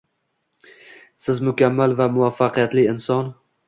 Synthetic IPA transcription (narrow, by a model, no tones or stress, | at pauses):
sɪzmʊkʲʰamːalvamʊafːaqʰɨjat̪lɪɪnsɒn